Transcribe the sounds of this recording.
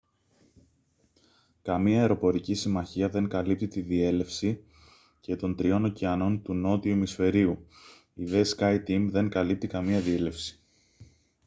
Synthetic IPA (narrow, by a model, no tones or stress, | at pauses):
kɐmiɐeɾo̞po̞ɾicisimɐçiɐðe̞ŋkɐlip̚t̪it̪iðie̞le̞fsi | ce̞t̪o̞nt̪ɾio̞no̞ciɐno̞nt̪uno̞t̪iumisfe̞ɾiu | iðe̞skɐjt̪imðe̞ŋkɐlip̚t̪ikɐmiɐðie̞le̞fsi̥